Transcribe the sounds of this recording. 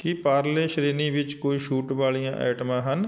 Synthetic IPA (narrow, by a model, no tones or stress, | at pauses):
kipaːɾleːʃɾeːniʋɪt͡ʃkoːiʃuːʈbaːlijãʔɛ̰ːʈmãːɦən